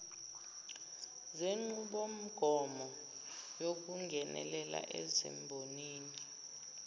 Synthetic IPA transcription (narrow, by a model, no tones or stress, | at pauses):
zeŋ͡ǀuɓom̩ɡ̥ʱɔmɔ | jok̬uŋɡʱɛnɛ̰lɛla̰ʔɛzɛ̰mbʱoniːni